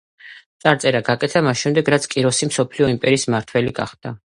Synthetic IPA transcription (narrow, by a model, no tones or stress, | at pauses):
t̪sʼaɾt̪sʼɛɾaɡakʼɛt̪ʰamasʃɛmd̪ɛɡɾat̪sʰkʼiɾɔsimsɔpʰliɔimpʼɛɾiːsmaɾt̪ʰwɛliɡa̰χd̪̥a